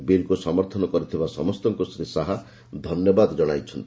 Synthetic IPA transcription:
beɾkusɔmɔɾt̪ʰɔnɔkɔɾit̪ʰibasɔ̰mɔst̪ɔŋkɔsɾisaɦa | d̪ʱɔnjɔbad̪ɔd͡ʒɔɽ̃ajt͡ʃʰɔnt̪i

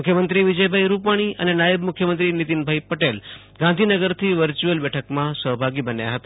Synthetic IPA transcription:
mkʰjəmənt̪ɾiʋid͡ʒəjbʱaiɾupaɽ̃iə̰nenajəbmʊkʰjəmənt̪ɾinit̪inbʱaipəʈel | ɡãnd̪ʱinəɡəɾt̪ʰiʋəɾt͡ʃuəlbɛʈʰəkmãsəɦbʱaɡibənja̰ɦət̪a

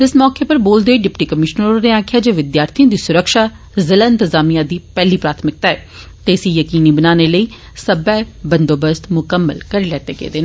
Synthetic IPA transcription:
t̪ɪsmɔːkepəɾboːld̪eeɖɪpʈiːkəmɪʃnəɾoneːaːkʰɪjaːd͡ʒeːʋɪd̪jaːɾt̪ʰijõd̪iːsʊɾəkʃaː | zəlɪ̃nt̪əzaːmijãd̪iːpɛːliːpɾaːt̪ʰmɪk̚t̪aːɛː | t̪esiːjəkiːniːbənaːneːləiː | səbɛːbə̃nd̪oːbəst̪mʊkəmːəlkəɾeːlɛːt̪eːɡḛːd̪eːn

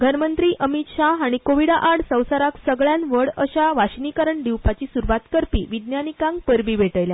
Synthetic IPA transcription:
ɡʱənmənt̪ɾiːʔəmit̪ɕaɦaɽ̃ikoʋiɽaʔaɽsə̃w̃saɾaksəɡɭjanʋəɽəɕaʋaɕnikaɾəɳɖiwpat͡ɕiːsuɾʋat̪kəɾpḭʋid̪njanikãŋɡpəɾbiːʋeʈəjlja

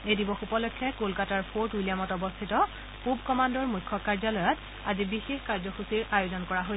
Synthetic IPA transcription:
edibɔxupɔlɔkʰːɛkolkataɹpʰoɹtujlijamɔtɔbɔstʰitɔ | pubkɔmandɔɹmujkʰːɔkaɹzalɔjɔt | azibixexkaɹzɔxusiɹajozɔnkɔɹaɦo

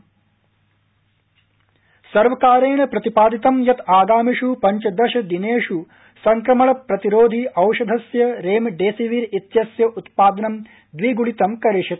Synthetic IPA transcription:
sɐɾʋɐkaːɾeːɳɐpɾɐt̪ipaːd̪it̪ɐmjɐt̪aːɡ̪aːmiʂupɐɲt͡ʃɐd̪ɐʃɐd̪ineːʂu | sɐŋkɾɐmɐɭɐpɾɐt̪iɾoːd̪ʱiʔɐwʃɐd̪ʱɐsjɐɾeːmɖeːsiʋiːɾit̪jɐsjɐʔut̪paːd̪ɐnɐm | d̪ʋiːɡuɭit̪ɐmkɐɾiʂit̪̚

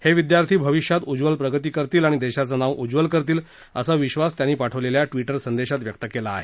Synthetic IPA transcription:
heʋid̪jaɾt̪ʰiːbʱəʋiɕjat̪ud͡zʋəlpɾəɡət̪iːkəɾt̪iːlaɽ̃id̪eɕat͡sənaʋʔud͡zʋəlkəɾt̪iːl | ə̰saʋiɕʋast̪janiːpaʈʰəʋleljaʈʋiʈəɾsənd̪eɕat̪ʋjəkt̪əkelaːɦe

